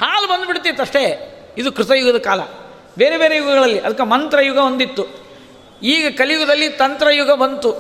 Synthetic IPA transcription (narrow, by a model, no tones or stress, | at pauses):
haːlbɐnd̪biɽt̪it̪ːɐʂʈe̞ | id̪ukɾɪt̪ɐjuɡɐd̪ɐkaːlɐ̰ | beːɾebeːɾejuɡɐɡɐɭɐlːiʔɐd̪ɐkːemɐnt̪ɾɐjuɡɐond̪it̪ːu | iːɡɐkɐljuɡɐd̪ɐlːit̪ɐnt̪ɾɐjuɡɐbɐnt̪u